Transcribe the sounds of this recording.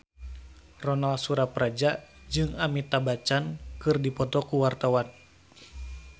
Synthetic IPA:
rɔnalsuɾapɾad͡ʒad͡ʒɨŋamit̪abat͡ʃankɨrdipɔt̪ɔkuwart̪awan

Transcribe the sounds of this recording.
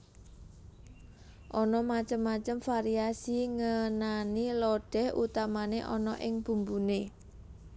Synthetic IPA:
ʔɔnɔmat͡ʃəmːat͡ʃəmfaɾiasiŋənanilɔɖ̥ɛ̤hṵt̪amaneʔɔ̰nɔʔɪŋb̥ṳmbune

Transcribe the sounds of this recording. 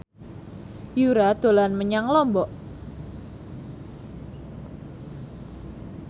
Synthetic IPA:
juɾad̪̥o̤lanməɲaŋlɔmbɔʔ

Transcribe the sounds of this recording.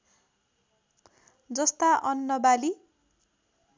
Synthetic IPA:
d͡zʌst̪aʔʌnːʌbali

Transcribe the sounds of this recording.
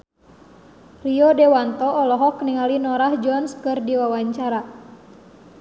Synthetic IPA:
riɔdewant̪ɔːlɔɦɔkniŋalinɔɾahd͡ʒɔnskɨrdiwawaɲt͡ʃaɾa

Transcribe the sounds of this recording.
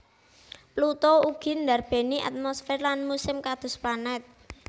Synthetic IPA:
plut̪ɔuɡ̥i̤nd̪arb̥e̤niʔa̰t̪̚mɔsfɛrlanmusɪmkad̪̥ʊ̤splanɛt̪̚

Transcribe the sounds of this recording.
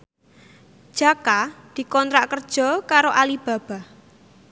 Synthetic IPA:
ʒ̥akad̪̥i̤kɔnt̪ɾaʔkərd̥ʒ̥ɔ̤kaɾoʔalib̥a̤b̥a̤

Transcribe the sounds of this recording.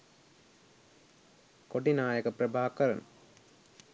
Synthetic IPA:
koʈinaːjɐkɐprɐbʱaːkɐɾɐ̰n

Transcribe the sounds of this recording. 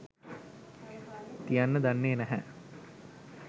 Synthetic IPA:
t̪ijanːəd̪anːeːnæɦæ

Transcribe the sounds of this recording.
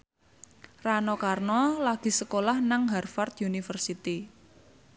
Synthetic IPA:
ranɔkarnɔlaɡ̥i̤səkolahnaŋɦarfart̪junifərsit̪i

